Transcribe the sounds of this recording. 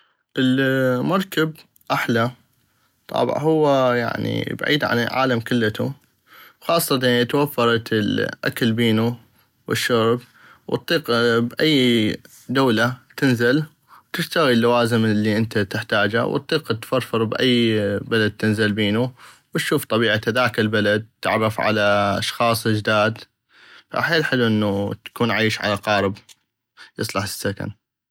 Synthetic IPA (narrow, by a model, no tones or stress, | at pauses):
ʔɪlmɑɾˤkab | ʔaħla | t̪ˤɑ̰bʕhʊwːaja̰ʕnḭba̰ʕiːd̪ʕa̰nʕa̰ːlamkɪlːat̪ṵ | xɑːsˤːɑt̪at̪wafːɑɾˤɑt̪lʔa̰klbiːnu | wə̰ʃːɑɾb | wɨ̰t̪ˤːiːqbʔajː | d̪awlat̪ɪnzɪl | wt̪ɪʃt̪aɣilːawaːzɪmlːiʔɪnt̪at̪ɪħt̪aːd͡ʒa̰w̰t̪ˤːiːqt̪fɑɾˤfɨɾˤbʔa̰jːbalad̪̚t̪ɪnzɪlbiːnuwt̪ʃuːft̪ˤɑbiːʕat̪haðaːkɪlbalad̪̚t̪ːɪ̰ʕrˤːɑfʕa̰laʔɑ̰ʃxɑːsˤɪd͡ʒd̪aːd̪ | fa̰ʔħeːlħɪluʔɪnːut̪ḁkuːnʕaːʃʕa̰laqɑːɾɪb | jɨ̰sˤlɑħsːaka̰n